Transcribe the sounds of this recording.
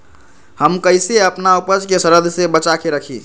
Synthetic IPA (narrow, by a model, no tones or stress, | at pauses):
həmkəɪseəpnaupəd͡ʒkesəɾəd̪ʱsebət͡ʃakeɾəkʰi